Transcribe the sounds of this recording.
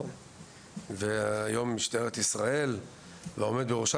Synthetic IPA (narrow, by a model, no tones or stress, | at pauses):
veaːjo̞mːiʃt̪aeʁet̪isʁae̞l | veomed̪beʁoʃa